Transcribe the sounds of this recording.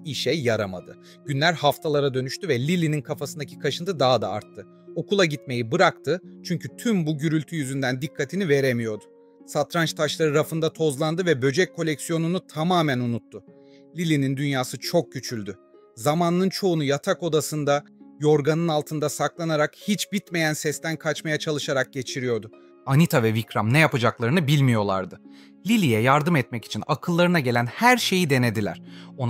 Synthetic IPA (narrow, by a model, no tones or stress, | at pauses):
iʃɛːaɾama̰d̪ɯ̰ | ɟ̥ynlʲæɾhaft̪ʰalˠaɾad̪ø̞nyʃt̪yvɛlʲilʲininkʰafasɯnd̪acʰikʰaʃɯnd̪ɯd̪aɦad̪a̰a̰ɾt̪ʰːɯ | o̞kulˠaɟit̪me̞jibɯɾakt̪ʰɯt͡ʃʰyɲcʰyt̪ʰymbuɟyɾylʲt̪ʰyjyzynd̪ænd̪ikʰːat̪ʰinive̞ɾemijo̞d̪ʊ | sat̪ɾant͡ʃt̪ʰaʃlˠaɾɯɾafɯnd̪at̪ʰo̞zlˠand̪ɯvɛbø̞d͡ʒɛc̚kʰːo̞lʲɛcsijo̞nunut̪ʰamaːmænunut̪ʰːʊ | lʲilʲinind̪ynjaːsɯt͡ʃʰo̞k̚ɟyt͡ʃʰylʲd̪y | zamanːɯnt͡ʃʰo̞unujat̪ʰako̞d̪asɯnd̪ajo̞ɾɡanɯnalˠt̪ʰɯnd̪asaklˠanaɾakhit͡ʃbit̪me̞jænsɛst̪ænkʰat͡ʃmajat͡ʃʰalˠɯʃaɾak̚ɟe̞t͡ʃʰiɾijo̞ɾd̪ʊ | anit̪ʰavɛvikɾamnɛjapad͡ʒaklˠaɾɯnɯbilʲmijo̞lˠa̰ɾd̪ɯ | lʲilʲijɛjaɾd̪ɯmɛt̪mɛci̥t͡ʃʰinakʰɯlˠːaɾɯnaɟe̞lʲænhæɾʃe̞jid̪e̞ne̞d̪ilʲæ̰ɾ̥on